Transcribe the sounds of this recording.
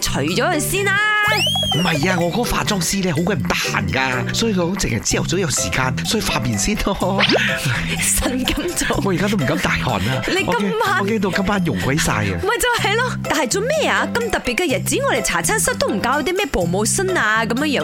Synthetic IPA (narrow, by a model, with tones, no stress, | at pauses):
t͡ʃʰɵ˨˩ɥt͡ʃɔː˨˥kɵ˧siː˥naː˧ | m̩˨˩ɦɐ˨jaː˧ŋɔː˨˧kɔ˨˥kɔ˧fa̰ː˧t͡sɔː˥ŋsiː˥lɛː˥ɦo˨˥wkʷaː˧˥m̩˨˩t̪ɐ˥ha̰ː˨˩nkaː˧ | sɔː˨˥ji˨˧kʰtʊ˨˥t͡sɪ˨ŋhɐ˨˩jt͡siː˥jɐ˨wt͡sɔ˨˥wjɐ˨˧wsiː˨˩kaː˧nsɔː˨˥i˨˧faː˧piː˨˩nsiː˥˩nɔː˧˥˨ | sɐ˨˩nkɐ˨˧˥mt͡so˨˧wŋɔː˨˧jkaː˥t̪o˥m̩˨˩kɐ˨˥mt̪aː˨˩jhɔ̰ː˨˩naː˧le˨˧ɔ˧kɐ˥ke˥mːaː˥˨˧keː˥t̪̬o˧kɐ˥mpaː˥njʊ˨˩ŋkwa˨˥jsa̰ː˧j̰mɐ˨jt͡sɐ˨whɐ˨jlɔ˥t̪aː˨˩nhɐ˨jt͡so˨˧wmɛː˥aː˧kɐ˧mt̪ɐ˨k̚pːiː˨t̚kːɐ˧jɐ˨˩t̚t͡siː˨˥ŋɔ˨˧ɾe˨˩t͡sʰaː˨˩t͡sʰaː˥nsɐ˥t̚t̪o˥wm̩˨˩kaː˧wjɐ˧˥t̪i˥mɛː˥˩po˨wmo˨˧wsɐ˥naː˧kɐ˨˦mjŋjœː˨˧˥